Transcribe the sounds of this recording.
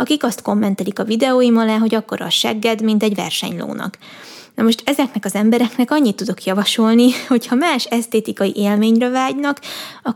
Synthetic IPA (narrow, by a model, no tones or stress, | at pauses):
ɒkikɒst̪ko̞mːɛnt̪ɛlikɒvid̪ɛoːjimɒlaːɦo̞ɟɒkːo̞ɾɒ̰ʃɛ̰ɡːɛd̪mint̪ɛɟvɛ̰rʃɛ̰ɲlo̰ːnɒ̰k | nɒmo̞ʃt̪ɛzɛknɛkɒzɛmbɛɾɛknɛkɒɲːit̪ːud̪o̞kjɒvɒʃo̞lniho̞chɒmaːʃɛst̪eːt̪ikɒjḭʔeːlmeːɲrɛvaːɟnɒkɒ